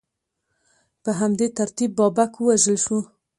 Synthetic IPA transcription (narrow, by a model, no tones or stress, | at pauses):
pəɦamd̪et̪aɾt̪ibːɑbakwəwaʒəlʃu